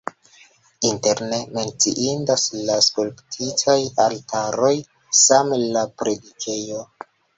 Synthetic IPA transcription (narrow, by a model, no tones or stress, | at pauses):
inteɾne̞me̞nt͡sḭʔindaslaskulptʰitʰajaltʰaɾo̞j | samlapɾe̞dikʰe̞jo̞